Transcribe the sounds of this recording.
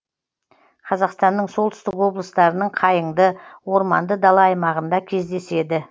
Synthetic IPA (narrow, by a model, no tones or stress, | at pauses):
qʰɑzɑqst̪ɑnːəɴso̞lˠt̪ʏ̥st̪ɪkwo̞blˠəst̪ɑɾənəɴqʰɑjəɴd̪əwo̞ɾmɑ̰nd̪əd̪ɑlˠɑɑjmɑʁənd̪ɑkʲʰe̞zd̪e̞se̞d̪ɪ